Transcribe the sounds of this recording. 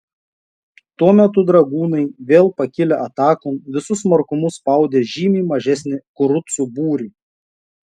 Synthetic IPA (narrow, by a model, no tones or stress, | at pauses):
t̪uɔmʲɛt̪ʊd̪ɾɐɡuːnɐɪʋʲeːlˠpɐkʲɪlʲɛʔɐt̪ɑːkʊmʋʲɪsʊsmɐɾkʊmʊspɐˑʊd̪ʲeːʒʲiːmʲiːmɐʒʲɛsʲnʲɪkʊɾʊt̪subuːɾʲiː